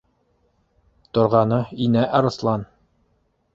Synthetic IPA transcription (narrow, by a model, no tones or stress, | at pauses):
t̪ŏɾʁɑnɤinæʔɑɾɤ̆slˠɑn